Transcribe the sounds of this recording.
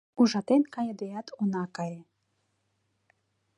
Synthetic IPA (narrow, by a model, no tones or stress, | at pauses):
uʒɑt̪enkɑjed̪ejɑt̪ʰunɑkɑje